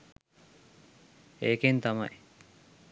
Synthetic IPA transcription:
eːkent̪ɐmɐ̰j

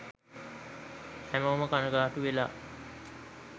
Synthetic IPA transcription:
hæməəməkanəɡaːʈuʋela̰ː

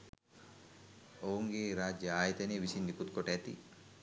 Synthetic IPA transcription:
owuŋɡeːɾaːd͡ʒjɐaːjɐt̪ɐneːʋisind̪ikut̪koʈæt̪ḭ

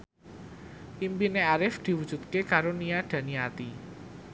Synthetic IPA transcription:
ʔimpineaɾɪfd̪̥i̤wud̥ʒ̥ṳt̪̚kekaɾoniad̥ä̤niat̪i

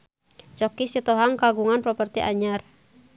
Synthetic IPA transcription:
t͡ʃɔkisit̪ɔɦaŋkaɡuŋanpɾɔpərt̪iʔa̰ɲar

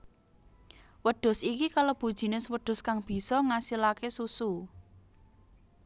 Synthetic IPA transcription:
wəɖ̥ʊ̤sikikalob̥ṳd̥ʒ̥i̤nɪswəɖ̥ʊ̤skaŋb̥i̤sɔŋasilakesusu

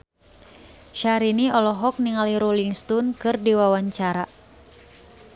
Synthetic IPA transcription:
ʃaɾiniɔlɔɦɔk̚niŋaliɾuliŋst̪unkɨrdiwawaɲt͡ʃaɾa

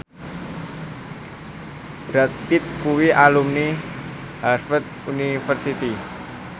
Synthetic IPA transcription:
b̥ɾat̪̚pit̪̚kuwiʔalumni | harfət̪̚unifərsit̪i

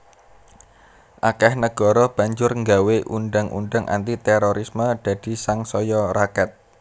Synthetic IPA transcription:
ʔakɛhnəɡ̥ɔ̤ɾɔb̥a̤ɲd͡ʒʊrŋɡaweʔunɖaŋʔṵnɖaŋʔa̰nt̪it̪ɛɾoɾisməd̪̥ä̤d̪̥i̤saŋsɔjɔɾakɛt̪̚

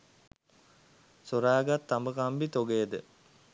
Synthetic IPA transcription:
soɾaːɡat̪ːambəkambit̪oɡeːd̪ə

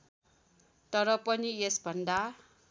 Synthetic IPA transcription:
t̪ʌɾʌpʌniesbʱʌnd̪a

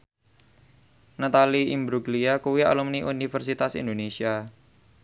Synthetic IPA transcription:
nat̪aliimbɾuɡliakuwia̰lumniʔunifərsit̪asḭnd̪onesia

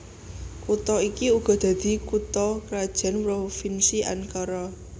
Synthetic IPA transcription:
kut̪ɔikiuɡ̥ɔ̤d̪̥ä̤d̪̥i̤kut̪ɔkɾad̥ʒ̥a̤npɾofinsiʔa̰nkaɾɔ

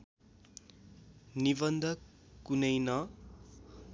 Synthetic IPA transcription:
nibʌnd̪ʱʌ | kːunʌjnʌ

